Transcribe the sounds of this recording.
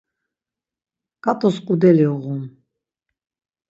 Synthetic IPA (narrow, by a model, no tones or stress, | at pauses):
kʼat̪ʼɔskʼud̪ɛliuʁun